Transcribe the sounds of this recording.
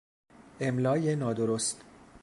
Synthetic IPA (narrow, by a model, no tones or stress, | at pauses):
ʔemlɒːjenɒːd̪oɾost̪